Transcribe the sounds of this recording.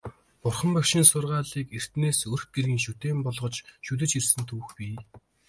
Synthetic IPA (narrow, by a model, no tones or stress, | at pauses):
pʊrχə̆mpækʃiːnsʊrʁaːɮiːker̥t̪neːsɵr̆x̚ɡerɣʲiːŋʃut̪eːmpɔɮʁɞ̆t͡ɕʃut̪̬ɘ̆t͡ɕirsɘ̆nt̪ʰuːxpʲiː